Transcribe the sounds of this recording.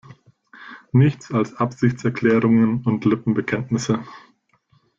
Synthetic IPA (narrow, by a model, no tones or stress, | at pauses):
nɪçt͡salsʔapz̥ɪçt͡sɛɐkʰlɛːʁʊŋənʊntlɪpm̩bəkʰɛntnɪsə